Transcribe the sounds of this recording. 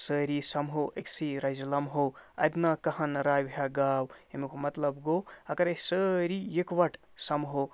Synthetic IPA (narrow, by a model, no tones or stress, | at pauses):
səɾisɐmɦoʔeksiɾɐjzlɐmɦoɐ̰d̪nɐkɐɦɐnɾajbʱɦaɡaːwemukʰomɐt̪ləbɡoɐkɐɾesəɾijekʋɐʈʰ | sɐmɦo